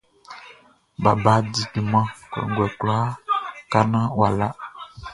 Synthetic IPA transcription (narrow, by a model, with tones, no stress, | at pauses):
ba˨ba˨˦di˨du˨mã˦kɛ̰˨ɡɛ˨kla˦ka˦nã˦wa˨la˦